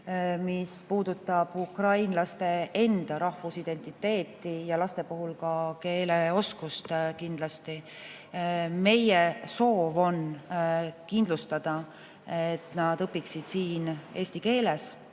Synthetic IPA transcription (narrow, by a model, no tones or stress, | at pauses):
mispuːd̪̥ut̪ːˑɑb̥ukrɑjnlɑst̪e̞e̞nd̪̥ɑɾɑhvusid̪e̞nʲt̪ˑit̪ːe̞ːt̪ˑːijɑlɑst̪e̞puɦulkɑke̞ːleo̞skust̪kind̪̥lɑst̪i | me̞jeso̞ːvo̞n | kind̪lust̪ɑd̪̥ɑ | et̪nɑd̪̥ɤpːˑiksid̪̥siːne̞ːsʲt̪ike̞ːle̞s